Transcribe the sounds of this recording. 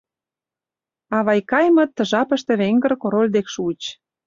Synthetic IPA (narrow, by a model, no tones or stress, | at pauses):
ɑβɑjkɑjmɤ̆t̪ːəʒɑpə̆ʃt̪ĕβeŋɡə̆rkoɾolʲd̪ekʃuət͡ɕ